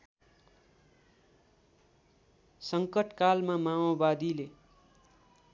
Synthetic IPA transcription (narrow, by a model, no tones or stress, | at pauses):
sʌŋkʌʈkalmamaobad̪ile